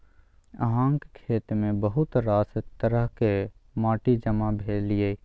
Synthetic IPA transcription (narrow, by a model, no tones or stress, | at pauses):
ə̰ɦãːŋkekʰeːt̪mẽbəɦʊt̪ɾaːsət̪ːəɾəɦkemaːʈid͡ʒəmabʱeːlie